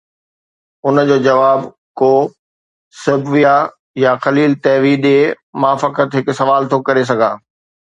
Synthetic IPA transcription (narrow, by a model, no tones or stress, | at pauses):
ʊnəd͡ʑoːd͡ʑɐʋaːb | koː | sɐbʋija | jaxɐliːlt̪ɛːʋiɗeː | mãːfɐkət̪ɦɪksɐʋaːlt̪ʰokɐɾes̬ɐɡʱaː